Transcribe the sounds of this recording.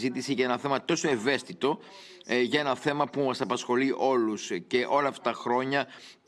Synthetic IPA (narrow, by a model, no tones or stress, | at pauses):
zit̪isiʝɐenɐθe̞mɐt̪o̞so̞e̞ve̞st̪it̪o̞ | ʝɐe̞nɐθe̞mɐpumɐsɐpɐsxo̞liʔo̞lusce̞ʔo̞lɐːft̪ɐ̥t̪ɐxɾo̞ɲɐ | p